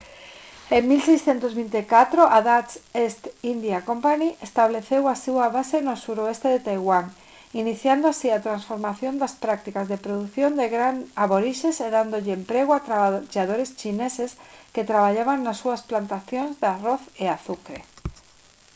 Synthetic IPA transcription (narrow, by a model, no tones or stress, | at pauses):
eŋmilsejsθjent̪ozβint̪ekat̪ɾoʔaðat͡sest̪ind̪jakompaniʔest̪aβ̞leθewasewaβasenosuɾoest̪eðet̪ajɣwaŋ | iniθjand̪oasiat̪ɾansfoɾmaθjond̪aspɾak̚t̪ikazðepɾoðuθjond̪eɣɾanaβoɾiʃeseðand̪oʎeempɾeɣ̞oat̪ɾaʎaðoɾest͡ʃinesesket̪ɾaβ̞aʎaβaŋnasːuasplant̪aθjonzðaroθeaθukɾe